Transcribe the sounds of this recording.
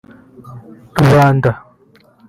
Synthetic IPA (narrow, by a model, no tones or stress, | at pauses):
tuβaːnda